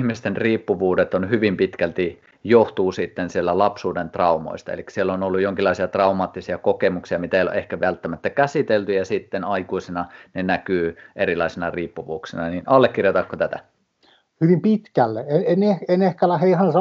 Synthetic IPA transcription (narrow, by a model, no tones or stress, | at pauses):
hmist̪enriːpːuʋuːdet̪onhyʋimpit̪kælt̪i | joht̪uːsit̪ːensielːælɑpsuːdent̪rɑumo̰ist̪ɑḛlikːsielːonolːujoŋkilːˑɑˑisiɑt̪rɑumɑːt̪ːisiɑkokemuksiɑmit̪æeijoo̰ʔehkæʋælt̪ːæmæt̪ːækæsit̪elt̪yjɑsit̪ːenɑikusenɑnenækyːʔerilɑisenɑriːpːuʋuːksenɑninʔɑlːekːirjot̪ɑkːot̪æt̪æ̰ | hyʋimpit̪kælːeeenehenehkælæheihɑnsɑ